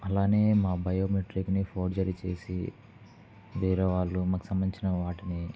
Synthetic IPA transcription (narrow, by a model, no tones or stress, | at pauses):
ɐlaːne̞ːmaːbɐjoːmeʈɾiknipʰoːɖd͡ʒɐɾit͡ʃe̞ːsi | ʋiːɾeʋaːɭːumaːku̥sɐmbɐniɲt͡ʃinɐʋaːʈini